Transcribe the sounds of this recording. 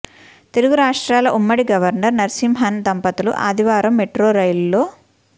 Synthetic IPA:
t̪eluɡuɾaːʂʈɾaːlɐʔumːɐɽiɡɐʋɐɾnɐɾnɐɾsimɦɐnd̪ɐmpɐt̪ulṵʔa̰ːd̪ʱiʋaːɾɐmːeʈɾoːɾɐjlloː

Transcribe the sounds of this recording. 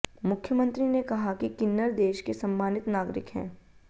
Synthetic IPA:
mʊkʰjəmə̃nt̪ɾinekɐɦakikɪnːəɾd̪eːʃkesɐmːaːnɪt̪naːɡɾɪ̰kɦɛ̰̃ː

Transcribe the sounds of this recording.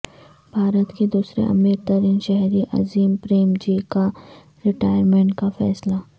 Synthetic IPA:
b̥ʱaːɾət̪ked̪uːsɾḛʔɐ̰miːɾt̪ɐɾiːnʃɛɦɾiʔɐ̰ziːmpɾeːmd͡ʒiːka | ɾɪʈaːɪəɾmẽɳʈkafɛ̰ːsla

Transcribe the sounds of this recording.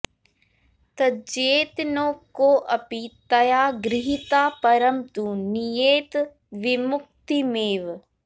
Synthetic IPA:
t̪ɐd͡ʒeːt̪noːkoːʔɐpit̪ɐjaːɡɾɪɦit̪aːpɐɾəmt̪unijeːt̪ | ʋɪmʊk̚t̪imeːʋ

